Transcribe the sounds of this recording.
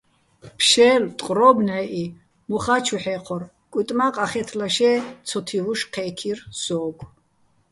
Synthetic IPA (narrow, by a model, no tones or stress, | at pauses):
pʰʃɛːlt̪ʼqʼɾɔbnɛʔi | mɔχat͡ʃʰuħɛːqʰɔr | kʼut̪ʼmaqʼaχɛt̪ʰlaʃɛːt͡sʰɔt̪ʰivuʃqʰɛːkʰirsɔːɡ